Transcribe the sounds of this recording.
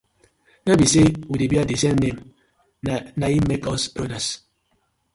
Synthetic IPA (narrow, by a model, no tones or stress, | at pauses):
nabisewudebadisemnem | naimekɔspɾodas